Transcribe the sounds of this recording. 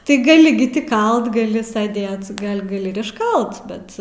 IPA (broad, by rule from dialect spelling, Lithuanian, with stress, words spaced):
tʲɪ ˈɡɑːlʲɪ ɡʲɪ tʲɪ ˈkɐlˠt ɡɐˈlʲɪ sɐˈdʲeːt ˈɡɐlʲ ɡɐˈlʲɪ ɪr ɪʃˈkɐlˠt ˈbʲɛt